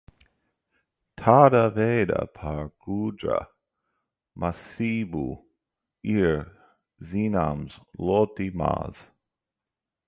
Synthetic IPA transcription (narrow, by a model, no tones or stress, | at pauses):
t̪ʰadəveːdə̰pʰaɹɡ̥uːdɾə̰ | mʔasiːbu | iːɹ | ziːnamzlot̪ima̰ːz̥